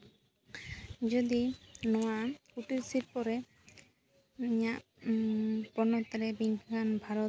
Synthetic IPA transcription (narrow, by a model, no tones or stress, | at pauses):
d͡ʒɔd̪inɔwakuʈiɾsiɾ̚pɔɾɛ | iɲaʔ | pɔnɔt̪ɾɛbiŋkanbʱaɾɔt̪